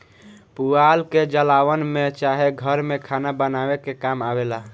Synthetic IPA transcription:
pualked͡ʒəlawənmet͡ʃaɦeɡʱəɾmekʰanabənawekekamabela

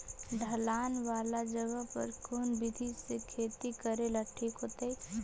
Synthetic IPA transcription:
ɖʱəlaːnʋaːlad͡ʒəɡəɦpə̰ɾkʰoːnbɪd̪ʱisekʰeːt̪ikəɾelaʈʰːikɦoːt̪e

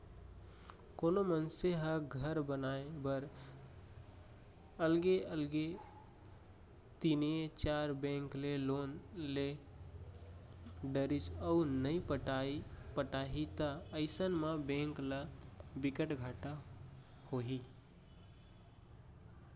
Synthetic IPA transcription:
konomənseɦəɡʱəɾbənaebəɾ | əlɡeəlɡe | t̪inet͡ʃaɾbẽŋkleloːnle | ɖəɾit͡ʃəunəĩpəʈapəʈaɦit̪aəɪsənmabẽŋklabɪkəʈɡʱaʈa | hoɦi

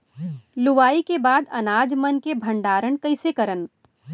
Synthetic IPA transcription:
lʊʋaːikebaːd̪ɐ̰naːd͡ʒmənkebʱə̃ɳɖaːɾəɳkɐɪsekɐɾən

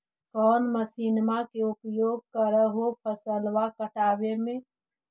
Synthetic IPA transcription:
kɔːnməsiːnmakeʊpjoːɡ̚kəɾəɦopʰəsəlwakəʈaːwemẽː

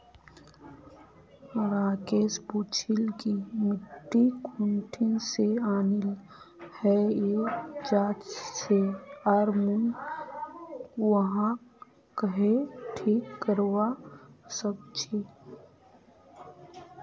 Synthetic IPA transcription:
ɾaːkeːsbuːt͡ʃʰɪlkimɪʈːikʰuɳʈʰɪnseaːnɪl | hɛjeːd͡ʒaːt̪seaɾmun | wəɦã | kəɦeʈʰiːkːəɾwasəb̚t͡ʃʰi

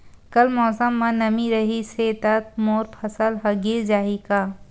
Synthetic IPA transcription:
kɐlmɔːsəmːɐ̃nɐmiɾɐɦiseːt̪ət̪̚moːɾpʰɐsəlɦɐɡed͡ʒaːɦikaː

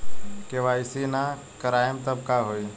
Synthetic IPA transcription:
keʋaːɪsiːna | kəɾaːɪmt̪əb̚kaːɦoːiː

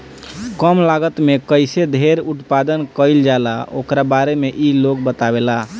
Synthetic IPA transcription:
kəmlaɡət̪mekəjsed̪ʱeɾut̪pad̪ənkəjld͡ʒalao̰kɾabaɾemeʔilok̚bət̪abela

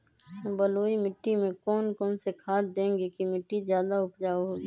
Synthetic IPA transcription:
bəloːimɪʈːimẽkɔːnkɔːnsekʰaːt̪̚d̪ẽːŋɡekimɪʈːizjaːd̪aʊpd͡ʒaːɦoːɡiː

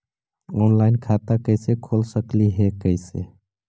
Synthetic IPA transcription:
ɔnlaɪnkʰat̪akəjsekʰolsəkliɦekəɪsḛ

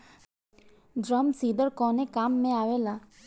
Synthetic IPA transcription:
d͡ʒɾəmsid̪əɾkɔnekamːẽaʋela

